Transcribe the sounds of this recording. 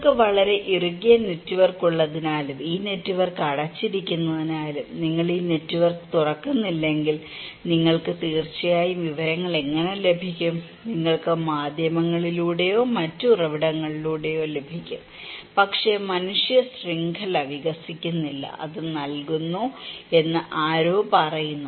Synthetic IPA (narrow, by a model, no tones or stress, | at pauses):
kɨʋɐɭɐɾe̞ʔiruɣijɐnetːuʋɐrkuɭːɐðinaːlumiːne̞tːuʋɐrkɐɽɐt͡ɕːiɾikʲːunːɐðinaːlumniŋːɐɭiːnetːuʋɐrkt̪urɐkːunːilːe̞ŋɡil | niŋːɐɭkɨt̪iːrt͡ɕːɐjaːjumʋiʋɐɾɐŋːɐɭe̞ŋːɐne̞le̞bʱikʲːum | niŋːɐɭkɨmaːd̪ʱjɐmɐŋːɐɭiluːɽe̞jo̞ːmɐtːɨurɐʋiɽɐŋːɐɭiluːɽe̞jo̞ːle̞bʱikʲːum | pɐkʂe̞mɐnuʂjɐsriŋɡʱɐlɐʋiɣɐsikʲːunːilːɐ̰ʔɐ̰ðɨnɐlkunːue̞nːɨʔaːɾoːbɐrɐjunːu